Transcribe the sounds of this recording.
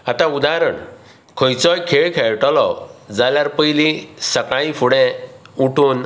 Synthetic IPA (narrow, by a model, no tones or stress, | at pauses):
at̪ãud̪aɾəɳ | kʰəjt͡sɔjkʰeɭkʰɛɭʈɔlɔ̰d͡zaljaɾpəjlĩsəkãĩfʰuɽɛ̃uʈʰuːn